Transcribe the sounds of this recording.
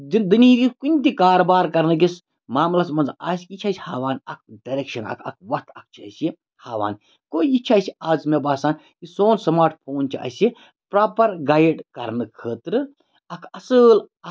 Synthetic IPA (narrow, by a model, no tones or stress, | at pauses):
dd̪ɨniiɾʲikunʲt̪ikaːɾbaːɾkɐɾnɨkis | maːmlɐsmɐnzaːskit͡ʃʰɐsʲhaːʋaːnɐk̚ʰɖɐɾekʃɐnɐ̰kʰɐ̰kʰʋɐt̪ʰɐk̚ʰt͡ʃʰiɐ̰si | haːʋa̰ːn | koːiit͡ʃʰɐsiaːzmebaːsaːn | kisoːnsɐmaːɾʈ̚pʰoːnt͡ʃʰiʔɐ̰si | pɾaːpɐɾɡaːjɖkɐɾnɨkʰəːt̪ɾɨ | ɐkʰɐsɨl | ɐ